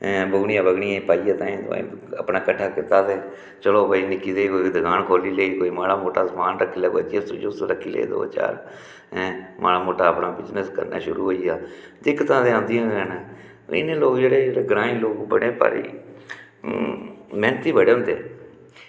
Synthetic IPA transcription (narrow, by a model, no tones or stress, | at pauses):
bəɡɳɪjãːbəɡɽiːãːĩpaːiːaːt̪ãːĩːt̪ʊ̰ã̰ːəpɳaːkəʈʰːaːkɪt̪aːseː | t͡ʃəloːpəiːnɪkːiːd̪eːikoːid̪əkaːnkʰoːliːleːiːkoːiːmaːlaːmoːʈaːsəmaːnɾəkʰːiːlaːɡəd͡ʒesd͡ʒosɾəkʰːiːlḛːḭːd̪o̰ːt͡ʃa̰ːɾ | mʔa̰ːlaːmoːʈaːəpɽaːbɪznəskə̰ɾna̰ːʃʊɾṵːɦoːiːjaː | d̪ɪkːt̪ãːd̪eːãːnd̪ijãːənãː | ɪ̰nẽːloːkd͡ʒeːɽeːɽeːɡɾãːiːloːkbəɽeːpa̰ːɾḭː | mɛːnət̪iːbəɽeːɦʊ̃nd̪ḛː